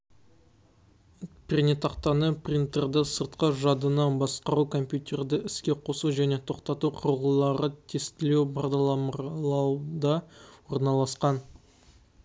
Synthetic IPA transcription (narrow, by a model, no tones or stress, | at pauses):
pʲʰrʲnet̪ʰɑqt̪ɑnəprʲint̪erd̪əsəɾt̪qəʒɑd̪ənɑbɑsqɑɾukʰo̞mpʲjut̪ʲe̞rd̪ɪʔɪskʲe̞qʰo̞suʒæne̞t̪ʰo̞qt̪ɑt̪uqʰʊɾəʁəlˠɑɾət̪ʰest̪ɪlewpʰɑʁd̪ɑlˠɑmˠɑd̪ɑwoɾnɑlˠɑsqɑn